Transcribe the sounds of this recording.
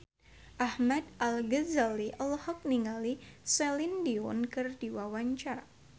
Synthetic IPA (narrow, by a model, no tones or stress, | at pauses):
ʔahmad̪ʔalɡəzaliʔəlhɔk̚niŋalisɛlindiɔnkɨrd̥iwawaɲt͡ʃaɾa